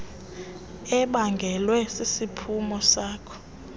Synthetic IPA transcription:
ɛɓaŋɡʱɛlwɛsisipʰumɔsaːkʰɔ̥

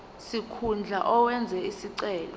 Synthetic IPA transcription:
sikʰund͡ɮʱa̰ʔɔwɛnd͡zʱɛisiǀɛːlɔ

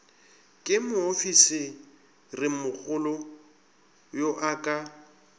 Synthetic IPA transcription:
kʼɪmʊofisɪ | rɪmʊk͡xʊlɔ | joʔakʼa

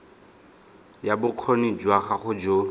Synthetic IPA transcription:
jabʊq͡χʰonid͡ʒwaχaχʊd͡ʒo

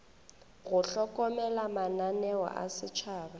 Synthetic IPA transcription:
ɣʊɬɔkɔmɛlamananɛwɔ̰ʔa̰sɪt͡ʃʰaːba

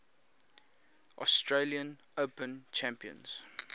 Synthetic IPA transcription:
ʔɔstɹeliə̃n | əpə̃nt͡ʃʰæ̃mpiə̰̃nz̥

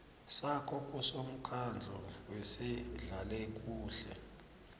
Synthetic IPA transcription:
sakʰɔk̬ʼusom̩kʰand͡ɮʱɔwɛsɛɮalɛk̬ʼuːɬɛ̰

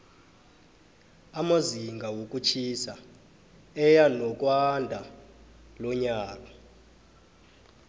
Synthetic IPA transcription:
amaziŋɡʱawok̬ʼut͡ʃʰisa | ɛjanɔk̬ʼwandʱa | lɔɲaːk̬ʼḁ

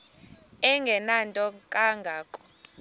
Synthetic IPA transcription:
ɛŋɡʱɛnantʼɔkʼaŋɡʱaːkʼɔ̥

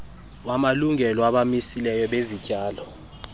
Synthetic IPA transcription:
wamaluŋʱɛlɔaɓamisilɛjɔɓezicʼaːlɔ

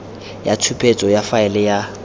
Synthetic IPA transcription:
jatʰupʰet͡sʼɔjafaɛlɛja

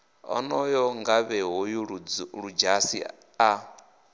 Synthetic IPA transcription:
ɔ̰nɔjɔŋɡaβɛɦɔjuɺud͡ʒasḭ | a

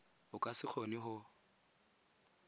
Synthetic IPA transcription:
ʊkʼasɪk͡xʰonɪɦʊ

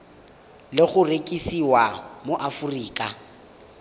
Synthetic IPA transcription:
lɪɣʊrekʼisiwamoʔafuriːkʼa

